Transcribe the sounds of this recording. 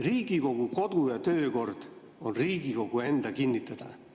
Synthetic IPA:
riːɡ̥iko̞ɡuko̞d̪̥ujɑt̪ø̞ːko̞rd̪̥ | o̞nriːɡ̥iko̞ɡ̥ue̞nd̪̥ɑkinʲːit̪ːˑɑd̪̥ɑ

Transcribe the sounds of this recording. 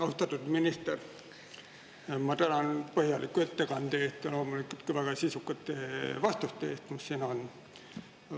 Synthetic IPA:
ɑust̪ɑt̪ːˑud̪minist̪er | mɑt̪ænɑnpɤhjɑlikːuet̪ːekɑnd̪̥eest̪ɑlo̞ːmulikult̪kuvæɡ̥ɑsisukːɑt̪ːˑevɑst̪ust̪eeːst̪mussinɑon

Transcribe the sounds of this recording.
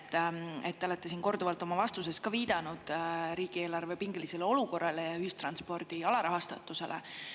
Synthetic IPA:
t̪ːe̞̰t̪ːeo̞le̞t̪ːˑe̞s̬iːnko̞rd̪uvɑlt̪ːˑo̞mɑvɑst̪use̞skɑviːd̪̥ɑnud̪̥ɾiːɡ̥ie̞ːlɑrve̞piŋɡ̥elise̞leo̞luko̞rːɑle̞jɑyhist̪rɑnspo̞rd̪̥iɑlɑɾɑɦɑst̪ɑt̪ːˑuse̞̰lʔe

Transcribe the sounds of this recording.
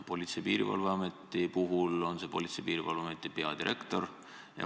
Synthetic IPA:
po̞lʲit̪sejpiːɾḭvɑ̰lveɑmet̪ːˑipuɦulo̞nse̞po̞lʲit̪sejpiːɾivɑ̰lveɑmet̪ˑːipe̞ɑd̪iɾʔe̞kt̪o̞r | jɑ̰

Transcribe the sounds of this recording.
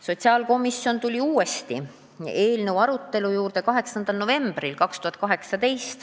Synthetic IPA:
so̞t̪ʲsiɑːlko̞misjo̞nt̪ulʲiuːe̞st̪i | e̞ːlnewɑɾut̪ːe̞lujuːrd̪e̞kɑɦe̞ksɑnd̪̥ɑlno̞ve̞mb̥rilkɑkst̪uhɑt̪̚kɑɦe̞ksɑd̪e̞jst̪

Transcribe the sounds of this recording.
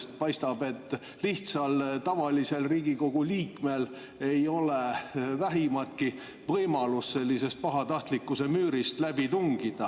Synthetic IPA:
st̪̚pɑjst̪ɑb̥e̞t̪ːˑ | liht̪sɑlt̪ɑvɑlise̞lriːɡ̥iko̞ɡ̥uliːkme̞l | e̞jo̞le̞væɦimɑlt̪̚ki | vɤjmɑlusse̞lʲːise̞st̪̚pɑɦɑt̪ɑht̪likːˑuse̞myːɾist̪læb̥it̪uŋɡid̪̥ɑ

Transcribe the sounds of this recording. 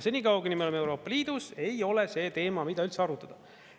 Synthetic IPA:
senʲikɑwɡenimelome̞wɾo̞ːpːˑɑliːd̪̥use̞jo̞le̞se̞ːt̪e̞ːmɑmid̪ɑylt̪seɑɾut̪ːˑɑd̪ɑ

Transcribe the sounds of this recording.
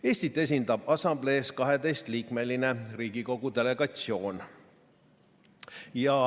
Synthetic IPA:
e̞ːsʲt̪it̪ːˑe̞s̬ʲind̪ɑb̥ɑsɑmble̞ːskɑɦe̞d̪e̞jst̪liːkme̞line̞riːɡ̥iko̞ɡ̥ud̪e̞le̞ɡ̥ɑt̪sio̞ːn | jɑ

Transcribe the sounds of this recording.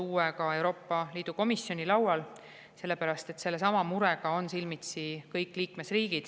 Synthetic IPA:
uːwekɑe̞wɾo̞ːpːˑɑliːd̪̥uko̞misjo̞nʲilɑwwɑl | se̞lːe̞pæɾɑst̪e̞t̪se̞lːesɑmɑmuɾe̞ɡ̥ɑo̞nsilmit̪sikɤjkːˑliːkme̞sriːɡ̥id̪̥

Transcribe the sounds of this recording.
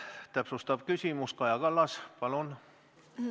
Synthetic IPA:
t̪æpsust̪ɑpkysiˑmuskɑjɑkɑlːɑspɑlon

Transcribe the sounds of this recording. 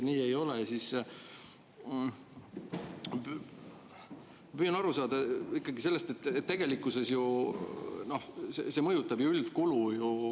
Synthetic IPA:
niːe̞jo̞lesis | p | pyjɑnɑɾusɑːd̪̥ɑikːˑɑɡise̞lːe̞st̪e̞t̪ːˑet̪ːe̞ɡ̥e̞likːˑuse̞sju | no̞hsese̞mɤjut̪ːˑɑb̥juyld̪̥kuluju

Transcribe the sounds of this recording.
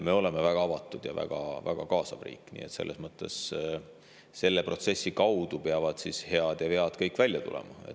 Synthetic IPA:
me̞o̞le̞mevæɡ̥ɑɑvɑt̪ːˑud̪̥jɑvæ̰ɡ̥ɑ̰væ̰ɡ̥ɑkɑːsɑvrḭːkːˑnḭːet̪se̞lːe̞smɤt̪ːˑe̞s | se̞lːe̞prʔo̞t̪se̞sːikɑwd̪̥upe̞ɑvɑd̪̥sishe̞ɑd̪̥jɑhe̞ɑd̪̥kɤjkːˑvælʲjɑt̪ṵlʔḛmɑe̞̰t

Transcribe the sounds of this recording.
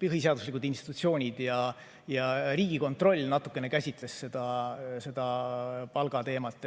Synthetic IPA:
pɯɦis̬e̞ɑd̪uslikud̪inst̪i̥t̪ut̪sio̞ːnʲid̪̥jɑ | jɑɾiːɡiko̞nt̪ˑro̞lʲːnɑt̪ːˑukːˑene̞kæsʲit̪ˑle̞sse̞d̪̥ɑse̞d̪̥ɑpɑlɡ̥ɑt̪e̞ːmɑt̪ːˑ

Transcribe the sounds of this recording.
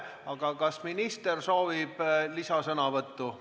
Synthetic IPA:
ɑɡ̥ɑkɑsminist̪erso̞ːvib̥lisɑsɤnɑvɤt̪ːu

